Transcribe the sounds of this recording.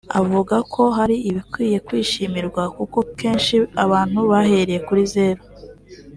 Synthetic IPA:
a̰vuɡakʰo̞ɦaɾiiβikwiːje̞kwiːʃimiɾɡwakuko̞ke̞ːnʃiaβaːn̥huβaɦeɾeje̞kuɾize̞ːɾo

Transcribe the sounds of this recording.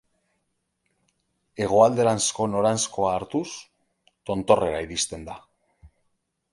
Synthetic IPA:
e̞ɣ̞oald̪e̞ɾansko̞no̞ɾansko̞aːɾt̪us | t̪o̞nt̪o̞re̞ɾaiɾist̪e̞nd̪a

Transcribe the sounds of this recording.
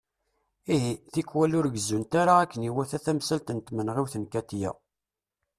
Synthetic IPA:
iɦiθikːwælʊɾɡəzːunt̪aɾaːækːəniwæθæθæmsælt̪ənt̪mənʁiwθənkæt̪jæ̰

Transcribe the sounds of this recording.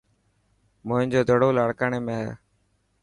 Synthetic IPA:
mʊɦɪ̃nd͡ʒoːd̪ʱoɽoːlaːɽkaːɳeːmẽːɦɛ̰ː

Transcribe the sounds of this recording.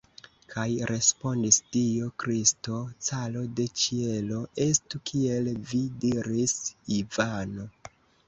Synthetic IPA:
kʰajɾʔe̞spo̞ndistio̞kɾisto̞t͡salo̞de̞t͡ʃie̞lo̞ʔe̞stukʰie̞lvidiɾisivano̞

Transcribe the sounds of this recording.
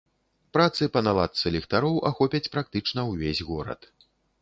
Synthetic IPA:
pɾat̪sɨpɐnalˠat̪sɨlʲɛxt̪aɾɔwʔaxɔpʲɐt͡sʲpɾak̚t̪ɨt͡ʂnɐwvʲezʲɣɔɾɐ̰t̪

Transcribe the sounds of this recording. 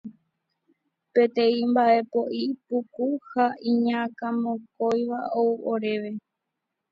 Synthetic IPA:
pẽ̞t̪ẽ̞ĩmbaʔe̞po̞ʔipukuhaĩɲãkãmõkojʋaʔowʔoɾe̞ʋe̞

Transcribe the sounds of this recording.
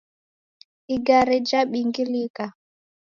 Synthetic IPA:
iɡaɾid͡ʒaɓiŋɡilika

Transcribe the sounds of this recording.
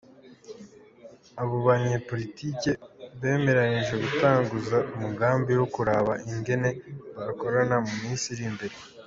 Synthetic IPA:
aβo̞βaɲeːpo̞litʰiːke̞βe̞ːme̞ɾaɲiʒe̞ɡutaːŋɡuzaumuɡaːmbiwo̞kuɾaːβaʔiŋɡe̞ne̞βako̞ɾanamumiːsiɾimbe̞ɾe

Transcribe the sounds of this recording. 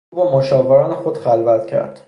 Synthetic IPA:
bɒmoʃɒːveɾɒːnexod̪̥χælvæt̪cʰæ̰ɾd̪̥

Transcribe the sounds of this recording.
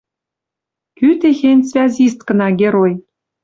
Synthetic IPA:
kyt̪exenʲt͡svʲæzʲis̬t̪kɤ̆nɑɡʲeɾoj

